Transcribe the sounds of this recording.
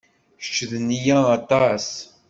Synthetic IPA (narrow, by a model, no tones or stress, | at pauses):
ʃt͡ʃːəðnijæːt̪ˤɑs